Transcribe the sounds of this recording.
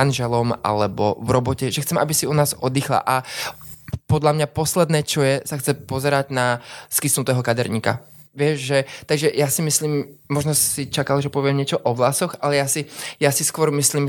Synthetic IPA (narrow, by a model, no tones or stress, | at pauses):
anʒɛlɔmʔa̰lɛbɔ̰vɾɔbɔcɛʒɛxt͡sɛma̰bisiunaːzɔd̪iːxla̰ʔa | pɔd̪ʎamɲapɔslɛd̪nɛːt͡ʃɔjɛsaxt͡sɛpɔzɛɾaɟnaskisnut̪ɛːɦɔkad̪ɛɾɲiːka̰ | ʋɪɛʒʒɛt̪aɡʒɛjasimisliːmmɔʒnɔsit͡ʃakalʒɛpɔʋɪɛmɲɪɛt͡ʃɔʔɔʋlasɔxalɛjasijasiskʊɔɾmisliːm